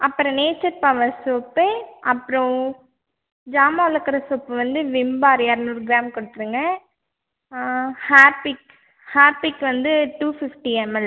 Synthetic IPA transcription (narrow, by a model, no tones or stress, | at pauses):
ɐpːɯɾɔ̃neːt͡ʃːɐɾpaʋɐsoːpːeɐpːɯɾɔ̃ | d͡ʒaːmaːɐlɐkːɐɾɐsoːpːʋɐnd̪ɯʋɪmbaːɾjaɾnuːɾɡɾaːmkɔɽɯt̪ːɯɾɯŋɡɐ | haːɾpɪk | haːɾpɪkːʋɐnd̪ɯʈuːfɪfʈiɛmɐlː